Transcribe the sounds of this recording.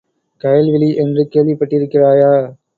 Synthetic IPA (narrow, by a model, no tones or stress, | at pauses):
kɐjlʋɪliʔendɾɯkeːlipɐʈːɪɾɪkːɪɾaːjaː